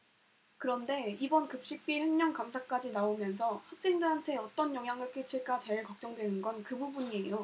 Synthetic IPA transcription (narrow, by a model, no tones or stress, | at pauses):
kɯɾʌnde̞ibʌnkɯp̚ɕ͈ik̚p͈ihe̞ŋɲaŋkamsʰak͈ad͡ʑinaomjʌns̬ʰʌhak̚t͡ɕ͈eŋdɯɾɦantʰe̞ʌt͈ʌnjʌŋjaŋɯɭk͈et͡ɕʰiɭk͈at͡ɕe̞ɭkʌk̚t͡ɕ͈ʌŋdwenɯnɡʌnkɯbubuɲiejo